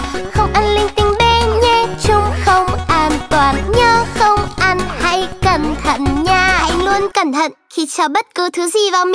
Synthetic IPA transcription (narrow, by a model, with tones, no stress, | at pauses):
xə˧wŋ͡mʔa˧nlï˧ŋ̟t̪ï˨˦ŋ̟ɓe˧ɲɛ˧t͡ɕʊ˨˧ŋ͡mxə˧wŋ͡mʔaː˧˩nt̪waː˧˩nɲəː˧xə˧wŋ͡mʔa˧nha˧˥jkə˧˩nt̪ʰə̰˧˨nɲaː˧˩ha̰˧˩jlu˧ənkə˧˩nt̪ʰə̰˧˨nxi˧˩t͡ɕɔː˧˩ɓə˦˥t̚kɨ˨˦t̪ʰɨ˨˦zi˨˩vaː˨˩wmi˨